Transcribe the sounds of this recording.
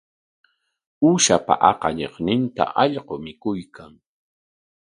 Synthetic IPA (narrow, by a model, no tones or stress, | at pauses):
ʊʃapa̰ʔɑqɑʎḛχnɪnt̪a̰ʔɑʎɢomɪkʊjkʰaŋ